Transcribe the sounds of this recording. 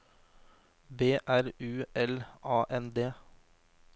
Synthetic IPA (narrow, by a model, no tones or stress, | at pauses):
beːʔæɾʉːɛlʔɑːʔɛnd̪eː